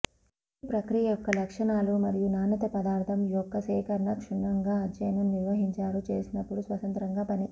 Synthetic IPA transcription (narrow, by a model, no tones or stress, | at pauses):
pɾɐkɾijɐjɔkːɐlɐkʂɐɳaːlumɐɾijunaːnɐt̪ɐpɐd̪aːɾt̪ʰɐmijɔkːɐsɛːkɐɾɐɳɐkʂuɳːɐŋɡaːɐd͡ʒɐjnɐmniɾʋɐɦiɲt͡ʃaːɾut͡ʃeːsinɐpːuɽusʋɐt̪ɐnt̪ɾɐŋɡaːpɐni